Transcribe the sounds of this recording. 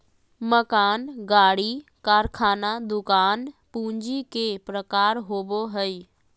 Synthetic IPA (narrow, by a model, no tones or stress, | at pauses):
məkaːnɡaːɽikaːɾkʰaːnad̪ʊkaːnpũːɲd͡ʒikepɾəkaːɾɦoboɦəj